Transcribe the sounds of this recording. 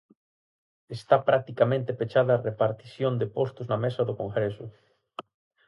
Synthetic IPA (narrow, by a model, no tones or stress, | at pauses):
est̪apɾak̚t̪ikamẽnt̪epet͡ʃaðɐːrepaɾt̪isjond̪epost̪ʊznamesɐðʊkoŋɡɾesʊ